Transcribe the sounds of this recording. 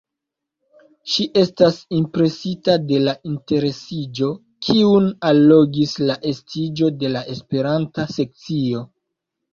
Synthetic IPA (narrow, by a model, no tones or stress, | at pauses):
ʃiʔe̞stasimpɾe̞sitade̞laʔinte̞ɾe̞sid͡ʒo̞ | kʰiunalːo̞ɡislaʔe̞stid͡ʒo̞de̞laʔe̞spe̞ɾantase̞k̚t͡sio̞